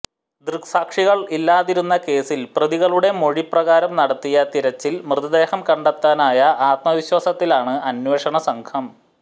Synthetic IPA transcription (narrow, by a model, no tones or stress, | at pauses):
d̪rksaːkʂiɣɐɭilːaːðiɾunːɐke̞ːsilprɐðiɣɐɭuɽe̞mo̞ɻiprɐɣaːɾɐmnɐɽɐt̪ːijɐt̪iɾɐt͡ɕːilmrɨðɐd̪e̞ːhɐmkɐɳɖɐt̪ːaːnaːjɐʔaːt̪mɐʋiɕwaːsɐt̪ːilaːɳɨɐnweːʂɐɳɐsɐŋkʰɐm